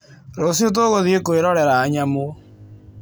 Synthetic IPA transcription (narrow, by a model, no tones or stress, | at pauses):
ɾosiot̬oɣoðiekoeɾɔɾɛɾaːɲamo